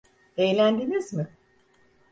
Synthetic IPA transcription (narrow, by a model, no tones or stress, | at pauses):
ejlʲænd̪emizmɪ